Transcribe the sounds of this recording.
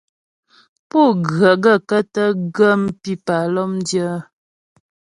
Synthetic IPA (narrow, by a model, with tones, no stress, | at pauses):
po˦˨ɡə˨ɡə˦˨kə˦tə˦ɡə˦m˦pi˦pa˨lɔ˦mdjə˦